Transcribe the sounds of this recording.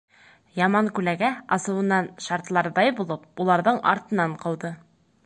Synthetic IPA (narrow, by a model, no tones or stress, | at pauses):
jɑmɑŋkʉlæɡæɑsɤ̆wɤ̆nːɑnʃɑɾt̪lˠɑɾðɑjbulˠɤp̚ulˠɑɾðɤɴɑ̰ɾt̪ɤ̆nɑɴqɤ̆wðɤ